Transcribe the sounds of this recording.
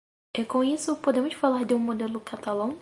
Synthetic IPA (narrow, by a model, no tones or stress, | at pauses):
ekõisʊpod̪ẽmʊʃfalaɾd̪ɪũmod̪elʊkat̪alɐ̃w̃